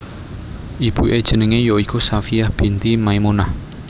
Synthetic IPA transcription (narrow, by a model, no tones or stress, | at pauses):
ʔib̥ṳʔed̥ʒ̥ə̤nəŋejoikusafijahb̥i̤nt̪imaimunah